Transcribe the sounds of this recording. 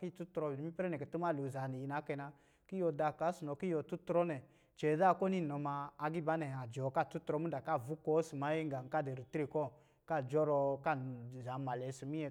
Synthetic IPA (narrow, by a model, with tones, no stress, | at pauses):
ki˦˨tu˦tɾɔ˧˨˦i˦pɾɛ˦nɛ˨kɛ˨ti˦ma˦˨lo˨za˨ni˨ji˧na˨˦kɛ˧na˧ | ki˦jɔ˧da˧˨ka˨˦su˨nɔ˧ki˦jɔ˧tu˦tɾɔ˦nɛ˨ | t͡ʃɛ˨˦ða˦˨kɔ˦ni˦nɔ˨maː˧ɡi˦ba˨˦nɛ˨a˨d͡ʒɔ˨ka˦˨tu˦tɾɔ˧˦mu˦da˨ka˦˨vu˦kɔ˦si˨ma˨˦je˦ŋɡa˨ŋ̩˨ka˦˨de˨ɾi˨tɾe˦˨kɔ˦ | ka˦˨d͡ʒɔ˦ɾɔ˧ka˦˨za˨˦ma˨lɛ˨˦si˨mi˦ɛ˧